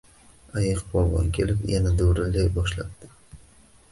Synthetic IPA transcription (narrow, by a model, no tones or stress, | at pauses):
ajɪqbɒlˠʁɒ̰nkʲʰe̞lɪpjanad̪ɵwɾɪlːajbɒʃla̰p̚d̪̥ɪ̥